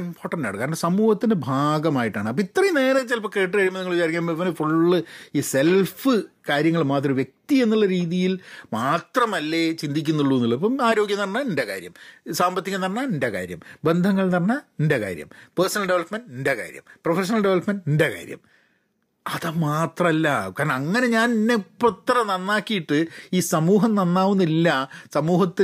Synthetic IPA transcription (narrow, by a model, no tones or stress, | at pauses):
impʰo̞ːrʈːɐnda̰ːɽɨkːaːɾnɳɖɐsɐmuːhɐt̪ːindebʱaːɡɐmaːjiʈːaːɳɨɐpːɐit̪ːrɐjneːnɐt͡ɕːelpɐkːeːʈ̬ːɨkaːɾjɐmniŋːɐɭt͡ɕaːɾikːambiʋɐnefuɭːɨiːse̞lfɨkaːɾjɐŋːɐɭmaːt̪̬ːrɐmʋjek̚t̪ie̞nːuɭːɐɾiːðijilmaːt̪rɐmɐlːe̞t͡ɕind̪ʱikʲːunːuɭːuenːilːɐpːɐmaːɾo̞ːɡjɐnɐrɐnːaindeka̰ːɾjɐ̰msaːmbɐt̪ːikɐnɐrɐnːaindeka̰ːɾjɐ̰mbe̞nd̪ʱɐŋːɐɭnɐrɐnaindeka̰ːɾjɐ̰mpeːrsɐnɐlɖe̞ʋɐɭlɐpmenɖindeka̰ːɾjɐ̰mprofeʂ̬ɐnɐlɖeʋɐɭɐpmenɖindeka̰ːɾjɐ̰m | ɐðɐmaːt̪rɐmɐlːɐkːaːɾɳɐɐŋːɐne̞ɲaːninːeprut̪ːɐrɐnɐnːaːkːijiʈːɨiːsɐmuːɦɐmnɐnːaːʋunːilːɐsɐmuːhɐt̪ːi